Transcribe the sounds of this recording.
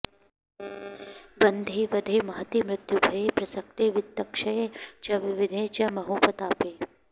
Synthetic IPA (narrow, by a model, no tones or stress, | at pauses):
bɐnd̪ʱeːʋɐd̪ʱeːmɐɦɐt̪imɾɪt̪jubʱɐjepɾɐsɐk̚ʈeːʋɪt̪ːɐkʃɐjet͡ʃɐʋɪʋɪd̪ʱeːt͡ʃɐmɐɦoːpɐt̪aːpeː